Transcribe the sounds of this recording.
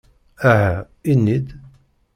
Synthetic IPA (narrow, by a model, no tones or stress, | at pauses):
æɦæ | inːid̪